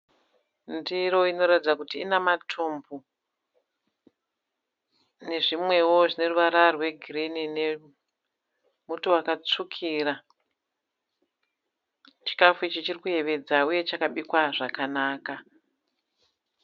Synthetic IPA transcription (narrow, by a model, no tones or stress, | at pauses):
ndiro̞ino̞ɾatid͡zakutiːnamatʰumbu | ne̞ʐimwe̞wo̞ʐine̞ruʋaɾarwe̞ɡʱirinine̞ | mutuwakat͡sukʰira | t͡ʃi̥kafuit͡ʃit͡ʃirikuje̞ʋe̞d͡zauje̞t͡ʃakaɓikwaʐakanaːka